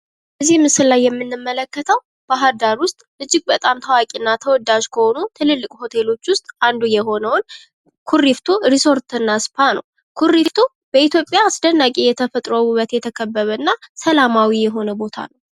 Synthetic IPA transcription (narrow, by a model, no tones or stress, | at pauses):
bəzːihmɨsɨllajːɛmːɨnːɨmːələkːət̪ʰəw | b̥aɦəɾd̪aɾwʊst̪ʼlɨd͡ʒːɪɡ̚bət̪ʼamt̪ʰəwakʼinːat̪ʰəwɔd̪aʒkʰəho̞nut̪ʰɨlɨlːɨkʼho̞t̪ʰe̞lo̞t͡ʃːwʊst̪ʼand̪ujɛɦo̞nəwn | kʰurift̪ʰuɾiso̞ɾt̪ɨnːaspʰanəw | kʰurift̪ʰu | b̥əit̪ʰjo̞pʼjaːsd̪ənːakʼijɛt̪ʰəfət̪ʼɾəwuβət̪jɛt̪ʰəkʰəbːəβəɨnːasəlamawijɛɦo̞nəbo̞t̪ʰa̰nəw